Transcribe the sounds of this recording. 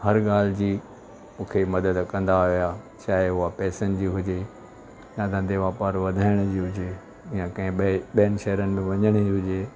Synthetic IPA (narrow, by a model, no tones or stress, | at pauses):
hɐɾɠaːl̤ɪd͡ʑiː | mũːkʰemɐd̪əd̪kɐ̃nd̪aʋija | t͡ɕaːɦɪɦʊɦapɛːsənɪ̆d͡ʑiːɦʊd͡ʑe | ãːd̪ãːd̪eʋaːpaːɾʋɐd̪ʱaːɪɽ̃d͡ʑiːɦʊd͡ʑe | jãkɐ̃ɦɪ̃ɓijənɪ̆ʃɐɦɾənɪ̆mẽʋɐɲəɽ̃ɪiɦʊd͡ʑeː